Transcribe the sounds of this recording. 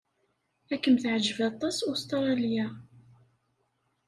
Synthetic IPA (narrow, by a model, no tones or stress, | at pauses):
ækːəmθʕd͡ʒəvæt̪ˤːɑsust̪ɾˤɑlja